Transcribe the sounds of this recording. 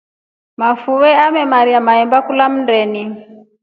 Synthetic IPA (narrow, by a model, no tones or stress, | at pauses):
mafuwɛamɛmaɾiamaɛmbakulam̩ndɛni